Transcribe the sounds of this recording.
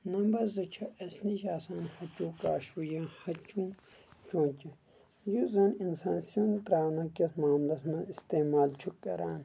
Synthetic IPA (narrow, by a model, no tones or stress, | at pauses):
nɐmbɐɾzɨt͡ʃʰɐʔɐsniʃaːsaːnhɐt͡ʃũːkaːʃujãːhɐt͡ʃũː | t͡ʃõːnt͡ʃi | juzɐninsaːnsijont̪ɾaːwnɐkɐsmaːmlɐsmɐ̃ist̪eːmaːlt͡ʃʰukːɐ̰ɾaːn